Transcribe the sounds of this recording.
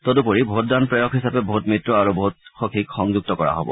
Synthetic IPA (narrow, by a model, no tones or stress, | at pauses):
tɔdupoɹibʱot̚danpɹɛjɔkɦisapɛbʱotmitɹɔaɹubʱotxɔkʰikxɔŋzuɡ̚tɔkɔɹa̰ɦɔbɔ̰